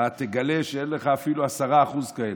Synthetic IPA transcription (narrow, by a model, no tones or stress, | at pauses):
at̪eɡale̞ʃeenleχaːfiluasaʁaːχuzkael